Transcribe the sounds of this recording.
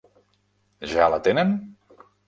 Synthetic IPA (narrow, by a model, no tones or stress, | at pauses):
ʒalat̪enen